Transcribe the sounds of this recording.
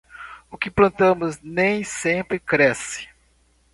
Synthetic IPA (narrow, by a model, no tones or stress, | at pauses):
ʊkɪplɐ̃nt̪ɐ̃mʊznẽj̃sẽpɾɪkɾɛsɪ̥